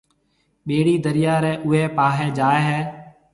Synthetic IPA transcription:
ɓeːɽiːd̪əɾɪjaːɾɛ̃ːʔʊɦeːpaːɦeːd͡ʒaːeːɦɛː

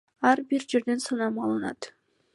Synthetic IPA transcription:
ɑɾbiɾd͡ʒe̞ɾd̪e̞nsɑnɑmɑːlˠɯnɑ̰t̪

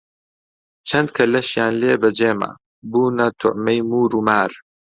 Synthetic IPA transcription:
t͡ʃʰɐnd̪̚kʰɐlɐʃjaːnleːbɐd͡ʒeːma̰ː | buːnɐt̪ʰʊ̰ʕmɐjmuːɾuːmaːɾ

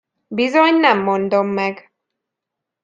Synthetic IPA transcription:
bizo̞ɲnɛmːond̪o̞mːɛɡ

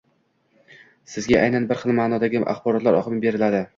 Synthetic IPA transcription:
sɪzɡʲaʔajnanbɪɾχɨlˠmaːnɒd̪aɡʲɪʔa̰χbɒɾɒt̪laɾɒ̰qɨmɪbe̞ɾɪlad̪ɪ

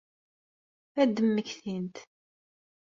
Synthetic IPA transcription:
θæd̪əmːəçθint̪

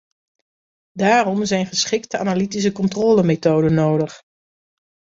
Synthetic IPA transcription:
daːrɔmzɛjnχəsχɪktəa̰nalitis̬əkɔntroːləmetoːdənːowdəχ

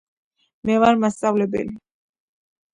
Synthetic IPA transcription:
mɛvaɾmast̪sʼavlɛbɛ̰li

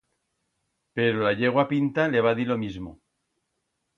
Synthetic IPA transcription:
pe̞ɾolaʎeɣ̞wapint̪aleβ̞aðilo̞mizmo̰

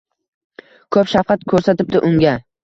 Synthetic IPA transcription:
kʰɵpʃafqɑt̪̚kʰɵɾsat̪ɪp̚t̪ɪʔʊŋɡʲa

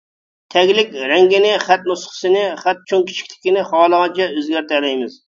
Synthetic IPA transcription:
t̪ʰɛɡʲlɪkʲɾɛŋɡʲinɪχæt̪nusχʰə̥sɨnɪχæt̪̚t͡ʃʰoŋkʲʰi̥t͡ʃʰi̥kʲt̪ʰɪ̥kʲinɪχɑːlˠəʁɑnt͡ʃʰɛøzɡʲæɾt̪ɛlɛjmɪz

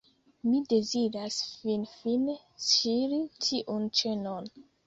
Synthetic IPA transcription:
mide̞zidasfinfin | siɾitʰiʔunt͡ʃenon

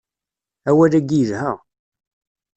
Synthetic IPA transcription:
æwælæɡiəðhæ

